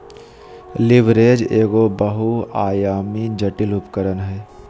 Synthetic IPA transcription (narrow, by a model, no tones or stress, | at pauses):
lɪʋɾeːd͡ʒeːɡobəɦuaːjaːmid͡ʒəʈɪlʊpkəɾənɦɛː